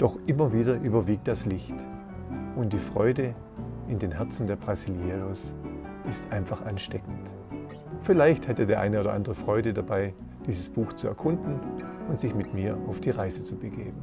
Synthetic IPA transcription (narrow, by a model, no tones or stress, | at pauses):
d̥ɔχʔɪmɐviːdɐʔyːbɐviːk̚t̚d̥aslɪçt | ʔʊnt̚d̥iːfʁ̥ɔ̰ʏdə | ɪndeːnɦɛɐt͡sn̩deːɐbʁaziljeʁos | ʔɪstʔaɪnfaχʔanʃtɛkn̩t | fɪlaɪçthɛtədeːɐʔaɪnəoːdɐ̰ʔa̰ndʁəfʁ̥ɔʏdədabaɪ | d̥iːzəsb̥uːxt͡suɛɐkʰʊndn̩ʊntz̥ɪçmɪtmiːɐʔaʊfd̥iːʁaɪzət͡subəɡḛːbn̩